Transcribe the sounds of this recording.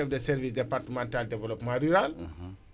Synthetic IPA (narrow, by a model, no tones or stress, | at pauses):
ɔfdəsɛɾvisdɛpaɾtəmãntaldɛvɛlopmãɾyɾal